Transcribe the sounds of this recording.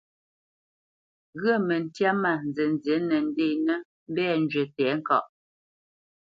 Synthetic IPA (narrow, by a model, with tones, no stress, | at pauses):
ɣə˦˨mɛ˨n˨tja˦ma˨nzɛ˨n˨zje˨˦nɛ˨n˦de˦˨nɛ˦ | m̩˦bɛː˦˨n˦d͡ʒɥe˨tɛː˨˦ŋ̩˦kɔ̰˨ʔ